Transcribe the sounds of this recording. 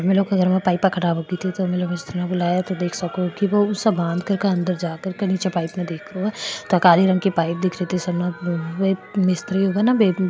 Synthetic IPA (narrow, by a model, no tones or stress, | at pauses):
meloːkɐɡəɾmãpaːɪpːɐkʰɐɽaːbʱɦoɡit̪ʰit̪omeloːkeɪst̪ʰɾnabʊlaːjat̪od̪eːkʰsɐkokiʋoʊsɐbãːnd̪ʱkɐɾkeɐ̃nd̪əɾd͡ʒaːkəɾkɐniːt͡ʃepaːɪpmẽd̪eːk̚ʰɾoat̪okaːliɾɐ̃ŋkepaːɪp̚d̪ɪkʰɾet̪ʰisɐbnaemɪst̪ɾiɦoːɡanabe